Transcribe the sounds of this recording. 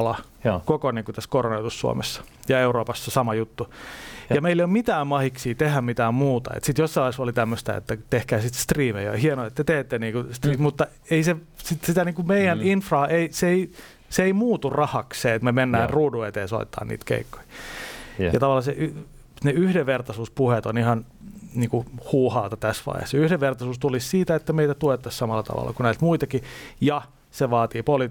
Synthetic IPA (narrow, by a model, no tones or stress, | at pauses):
lɑ | kokoniːŋkut̪æskoronojot̪ussuo̰mesːɑ̥ | jɑeuroːpɑsːesɑmɑjut̪ːujɑmeileiomit̪æːmmɑhiksiːt̪ehæmmit̪æːmmuːt̪ɑ̰ḛt̪sit̪josːɑɑsolit̪æmːøst̪æ̰ḛt̪ːæt̪ehkæːsit̪st̪riːmejo̰hienoet̪ːet̪eːt̪ːeniːkust̪riːmut̪ːɑ | eise | sit̪sit̪æniːŋkumeijæninfrɑːʔeiseei | seeimuːt̪urɑhɑkseːet̪memenːæːnruːduet̪eːso̰ḭtt̪ʰːɑ̰ːnḭːt̪kḛikːo̥i̥ | jɑt̪ɑʋɑlːˑɑseʔ | neyhdeʋʋert̪ɑsuːspuhet̪onihɑn | niːŋkuhuːhɑːt̪ɑt̪æsʋɑ̰ihḛhseyhdeʋʋert̪ɑsuːst̪ulissiːt̪æet̪ːæmeit̪æt̪uet̪ːɑssɑmɑlːɑt̪ɑ̰ʋɑ̰lːɑ̰kunæilt̪muit̪ɑkijɑ | seʋɑːt̪iːpoli